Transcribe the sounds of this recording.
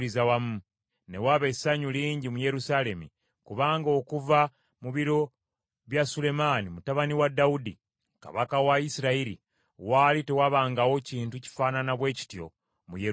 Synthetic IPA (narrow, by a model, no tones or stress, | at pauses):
lizawamu | ne̞̰waβe̞saɲuliːɲɟimuje̞ɾusale̞mḭ | kuβaːŋɡo̞ːkuva | muβiɾo̞ | βjasule̞maːnimutaβaniwadaudḭ | ka̰βakawaisiɾaiɾḭ | waːlite̞waβaːŋɡawo̞ciːntuci̥faːnanaβwe̞ːci̥tjo̞̰ | muje